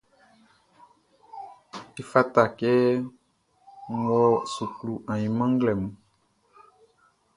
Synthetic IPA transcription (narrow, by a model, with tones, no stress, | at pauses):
e˨fa˦t̪a˨kɛ˦ | wɔ˦su˨klu˨ã˨jĩ˨mã˦ŋ˦ɡlɛ˨mũ˨